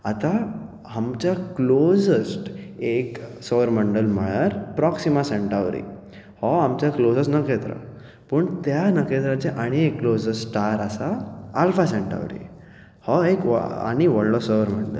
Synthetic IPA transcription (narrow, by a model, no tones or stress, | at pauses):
at̪a | amt͡ɕjaklosəsʈeksoʋəɾməɳɖəlm̤əɭaɾpɾɔksimaseɳʈaʋɾḭ | hɔamt͡ɕjaklosəsnəket̪ɾa̰ | pəɳt̪janəket̪ɾat͡ɕeʔaɽ̃iekːlosəsʈaɾasaːlfasẽɳʈa̰ʋɾḭ | hɔeka̰ɽ̃iʋəɽlɔsəʋəɾməɳɖə̰l